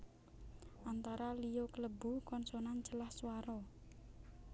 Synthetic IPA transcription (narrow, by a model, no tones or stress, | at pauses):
ʔant̪aɾalijokələbṳkɔnsonand͡ʒəlahswaɾɔ